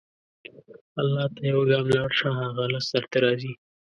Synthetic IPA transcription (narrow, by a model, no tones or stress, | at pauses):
alːɑːt̪ajawaɡɑmlɑɽʂãɦaɣalasd̪aɾt̪aɾɑːzi